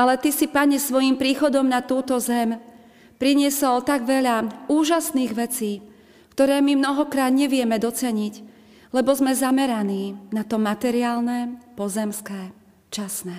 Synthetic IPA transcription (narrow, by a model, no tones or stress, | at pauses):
alɛt̪isipaɲɛsʋɔjimpɾiːxɔd̪ɔmnat̪uːt̪ɔzɛm | pɾiɲɪɛsɔlt̪aɡʋɛʎauːʒasniːɣʋɛt͡siː | kt̪ɔɾɛːmimnɔɦɔkɾaːd̪ɲɛʋɪɛmɛd̪ɔt͡sɛɲiɟ | lɛbɔzmɛzamɛɾaniːnat̪ɔmat̪ɛɾiaːlnɛpɔzɛmskɛː | t͡ʃasnɛ